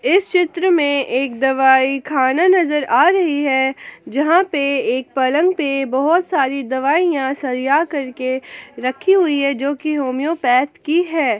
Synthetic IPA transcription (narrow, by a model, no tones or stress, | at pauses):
ɪst͡ʃɪt̪ɾəmẽʔeːk̚d̪ɐʋaːikʰaːnanɐzəɾaːɾɐɦiɦɛd͡ʒɐɦãpeeːk̚pɐlə̃ŋɡpebɐɦɔt̪saːɾid̪ɐʋaːijãsɐɾjakɐɾkeɾɐkʰːiɦʊiɦɛd͡ʒoːkiɦoːmijõpɛːt̪kiɦɛː